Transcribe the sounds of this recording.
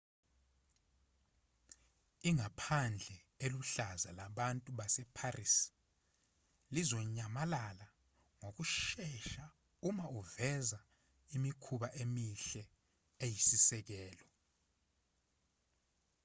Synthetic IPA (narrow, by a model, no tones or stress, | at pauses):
iŋapʰand͡ɮʱɛ | eluɬazalaɓantʼuɓasɛpʰaris | lizɔɲamalala | ŋok̬uʃɛʃa | umauvɛza | imikʰuɓaʔemiɬɛ | ejisisɛk̬ɛːlɔ